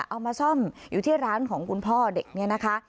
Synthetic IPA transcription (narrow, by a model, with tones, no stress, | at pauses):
ʔa˧wmaː˧sɔ˥˩mjuː˨˩t̪ʰiː˥˩ɾaː˦˥nkʰɔː˩˦ŋkʰu˧npʰɔː˥˩de˨˩k̚ni˦˥˩ɐna˦˥kʰa˦˥